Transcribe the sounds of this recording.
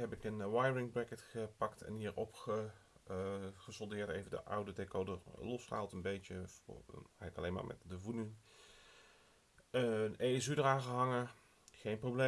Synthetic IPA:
ɦɛpɪkənʋajəɹɪŋbrɛkətχəpɑktʰɛ̰nɦiːɹɔpχə | χəsɔlˠdɪːɹtejvəndə̰ʔʌ̰wdədekowdəlɔsχəaːlˠtənbejtəvɛjɣələkɑlejnma̰ːɹmʔɛ̰tdəvunin | ənejɛsydəraːnχəɦɑŋə | χejnprowble

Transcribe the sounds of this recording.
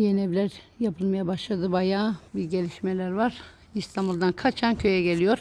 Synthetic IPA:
jenɛvlʲæɾ | japɯlˠmajabaʃlˠad̪ɯbajaːbiɾɟe̞lʲiʃmelʲæɾvaɾ̥ | ist̪ʰambulˠd̪ankʰat͡ʃʰancʰø̞jɛɟelʲijo̞ɾ

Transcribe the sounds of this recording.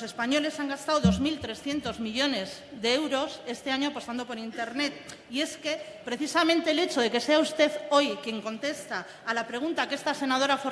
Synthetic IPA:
se̞spaɲo̞le̞saŋɡast̪awðo̞zmilt̪ɾe̞sθje̞nt̪o̞zmiʎo̞ne̞z | ðe̞ewɾo̞se̞st̪e̞aɲoapo̞st̪and̪o̞po̞ɾint̪e̞ɾne̞t̪̚ | ie̞ske̞pɾe̞θisamẽnt̪e̞ːle̞t͡ʃo̞ðe̞ke̞se̞aust̪e̞θo̞jkje̞ŋko̞nt̪e̞st̪aː | lapɾe̞ɣ̞unt̪ake̞st̪ase̞naðo̞ɾafo

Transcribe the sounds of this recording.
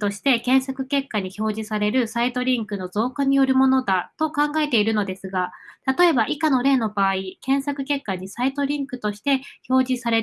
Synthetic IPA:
t̪o̞ɕi̥t̪e̞kẽ̞ɰ̃sakɯ̟̥ke̞kːaɲ̟iço̞ːʑisaɾe̞ɾɯ̟sait̪o̞ɾʲĩŋkɯ̟no̞zo̞ːkaɲ̟ijo̞ɾɯ̟mo̞no̞d̪at̪o̞kãŋɡae̞t̪e̞iɾɯ̟no̞d̪e̞sɨɡat̪at̪o̞e̞baʔikano̞ɾe̞ːno̞baːikẽ̞ɰ̃sakɯ̟ke̞kːaɲ̟isait̪o̞ɾʲĩŋkɯ̟t̪o̞ɕi̥t̪e̞ço̞ːʑisaɾe̞

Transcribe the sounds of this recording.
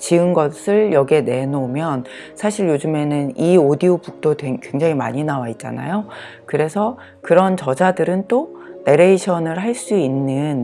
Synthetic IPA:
t͡ɕiɯnɡʌsʰɯɭjʌɡe̞ne̞nomjʌn | sʰaɕʰiɭjod͡ʑume̞nɯniodiobuk̚t͈ʰotweŋkwe̞ŋd͡ʑaŋima̰ɲinawait̚t͡ɕ͈a̰na̰jo | kɯɾe̞sʰʌ | kɯɾʌnt͡ɕʌd͡ʑadɯɾɯnt͈one̞ɾeiɕʰʌnɯɭɦaɭs͈uinːɯn

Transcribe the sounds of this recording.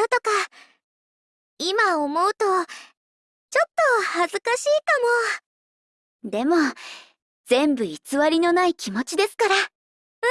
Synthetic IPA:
ot̪o̞ka | imaomo̞ɯ̟t̪o̞ | t͡ɕo̞t̪ːo̞hazɨkaɕiːkamo̞ | d̪e̞mo̞ | d͡z̥ẽ̞mbɯ̟it͡sɨβaɾʲino̞naikʲimo̞t͡ɕid̪e̞sɨ̥kaɾa

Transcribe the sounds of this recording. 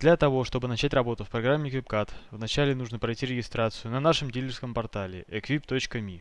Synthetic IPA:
d̪lʲɐt̪ɐvo̞ʂt̪o̞bɨnɐt͡ɕætʲrɐbo̞t̪ʊfpɾɐɡɾamʲːɪkvʲipkat̪vnɐt͡ɕælʲɪn̪uʐnəpɾɐjtʲiɾʲɪɡʲɪst̪ɾat̪sɨjʊnɐnaʂɨmdʲilʲɪrskəmpɐrt̪alʲɪ̰ʔɛkvʲipt̪o̞t͡ɕkəmʲi

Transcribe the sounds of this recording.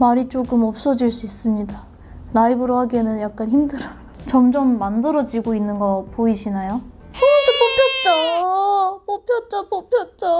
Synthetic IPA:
maɾit͡ɕ͈oɡɯmʌp̚s͈ʌd͡ʑiɭs͈uis͈ɯmɲida | ɾaibɯɾohaɡienɯnjak̚k͈ançimdɯɾa | t͡ɕʌmd͡ʑʌmːandɯɾʌd͡ʑiɡoinːɯnɡʌpoiɕʰinajo | ʌdepopʰjʌt̚t͡ɕ͈a | popʰjot͡ɕ͈apopʰjʌt̚t͡ɕ͈a

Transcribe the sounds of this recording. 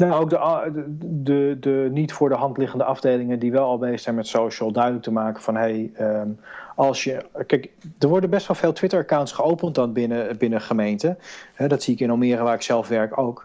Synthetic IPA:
naowk̚dəʔ | dədənitfʊːɹdəɦɑntlɪχəndəʔɑvdejlɪŋəndiʋɛlˠɑlˠbejstsɛnmɛtsowʃəlˠdœɥdələk̚təmaːkəvɑnɦejəmɑlˠsjəkɛkdəɹʋɔɹdənbɛstʋɑlˠveːlˠtʋɪtəɹəkawntsχəowpənt̚dɑnbɪnəbɪnəχəmejntəɦɛdɑtsiɪkɪnɔmɪːrəʋaːɹɪksɛlˠfʋɛɹkowk

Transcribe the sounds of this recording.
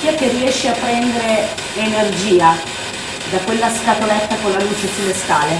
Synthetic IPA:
kiak̟ːerːiɛʃːeapːɾɛnd̪eɾe | enerd͡ʒiːa | d̪akwelːaskat̪olɛt̪ːakolːaluːt͡ʃesilest̪aːle

